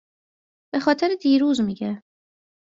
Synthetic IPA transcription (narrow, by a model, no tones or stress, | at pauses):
b̥e̞xɒːt̪ʰeɾed̪iːɾuːzmiːɟe